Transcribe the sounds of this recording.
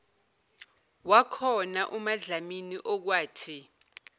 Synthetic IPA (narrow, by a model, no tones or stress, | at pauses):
wakʰɔnaʔumaɮaminiʔɔk̬waːtʰi